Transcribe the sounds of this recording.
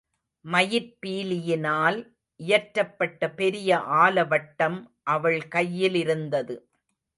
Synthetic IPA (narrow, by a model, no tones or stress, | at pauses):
mɐjɪɾpiːlɪjɪnaːl | ʔɪjɐʈɾɐpːɐʈːɐpɛɾɪjɐʔaːlɐʋɐʈːɐmʔɐʋɐɭkɐjːɪlɪɾɯnd̪ɐðɯ